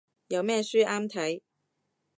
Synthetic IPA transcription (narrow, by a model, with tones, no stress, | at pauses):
jɐ˨˧wmɛː˥syː˥ʔaː˥mt̪ʰɐ˨˥j